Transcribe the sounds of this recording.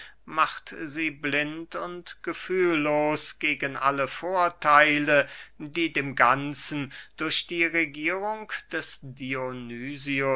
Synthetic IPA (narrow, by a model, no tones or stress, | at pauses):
maχtziːblɪntʊntɡ̥əfyːlːoːsɡ̥eːɡənʔa̰ləfoːɐtʰaɪlədiːdeːmɡant͡sn̩d̥ʊɐçd̥iːʁeɡiːʁʊŋd̥ɛsd̥ionyːziʊ